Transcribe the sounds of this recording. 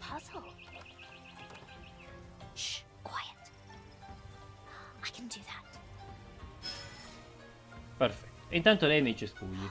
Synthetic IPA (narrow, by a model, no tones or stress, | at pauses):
pʰaslˠ | ʃ | kʰw̥ajət | aɪkʰə̃ndɨðæt | pɛɾfɛtːint̪ant̪olɛjmet͡ʃespuːjə